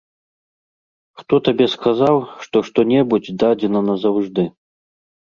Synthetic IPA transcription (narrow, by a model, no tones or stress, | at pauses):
xt̪ɔt̪abʲɛskazawʂt̪ɔʂt̪ɔnʲɛbud͡zʲd̪ad͡zʲɛnɐnɐzɐwʐd̪ɨ